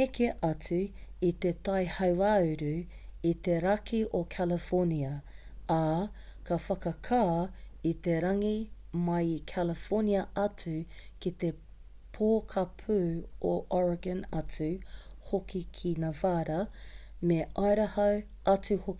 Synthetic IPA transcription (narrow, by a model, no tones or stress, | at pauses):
ekeʔɐt͡sʉit̪et̪ɐjhɐwaːʉɾʉ | it̪eɾɐkʰiʔokʰɛləfoniɐa | kɐfɐkɐkʰaːit̪eɾɐŋi | mɐjkʰæləfoniɐʔɐt͡sʉ | kit̪e̞ | pʰoːkʰɐpʰʉoʔɔɹɐɡɐ̃nɐt͡sʉ | hokikʰinaːvaːɾɐmeʔɐjɾɐhɐw | ʔɐt͡sʉhoki